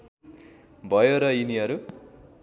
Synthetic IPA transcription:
bʱʌjoɾʌiniɦʌɾu

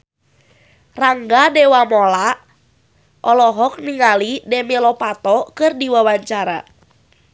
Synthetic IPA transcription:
raŋɡadewamɔla | ʔɔlɔɦɔk̚niŋalidemelɔpat̪ɔkɨrdiwawaɲt͡ʃaɾa̰

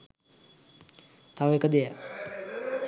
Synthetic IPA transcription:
t̪aʋəekəd̪ejə

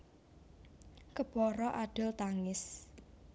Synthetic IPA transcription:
kəpɔɾɔʔaɖ̥ʊ̤lt̪aŋɪs

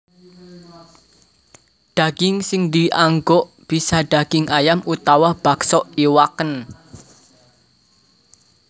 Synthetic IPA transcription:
ɖ̪̥ä̤ɡ̥ɪŋsɪŋd̪iʔaŋɡɔʔ | b̥isaɖ̥ä̤ɡ̥ɪŋʔajamut̪awab̥a̤ksɔʔiwakən

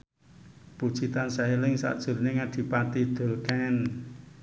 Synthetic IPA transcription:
pud̥ʒ̥it̪ansaɦelɪŋsa̰ʔd̥ʒ̥ʊ̤rneŋad̥i̤pat̪id̪̥o̤lkan

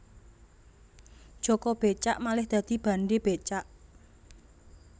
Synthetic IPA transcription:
ʒ̥ɔ̤kɔb̥e̤t͡ʃaʔmalɪhd̪̥a̤d̪̥i̤b̥ä̤nɖeb̥et͡ʃaʔ

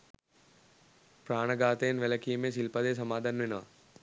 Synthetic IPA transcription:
pɾaːɳɐɡaːt̪eːnʋɛlɐkijmeːsilpɐd̪eːs̬ɐmaːd̪ʱanʋinɐʋɐ̰

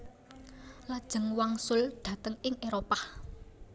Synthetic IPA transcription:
lad̥ʒ̥ə̤ŋwaŋsʊlɖ̪̥ä̤t̪əŋɪŋʔeɾopah

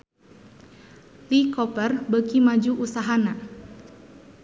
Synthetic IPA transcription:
likɔpərbəkimad͡ʒuʔusaɦana

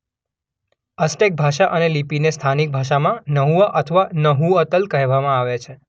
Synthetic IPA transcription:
əsʈek̚bʱaʃaʔənelipinest̪ʰanik̚bʱaʃamãnəɦuaʔət̪ʰəʋanəɦuət̪əlkəɦʋamãaʋet͡ʃʰe

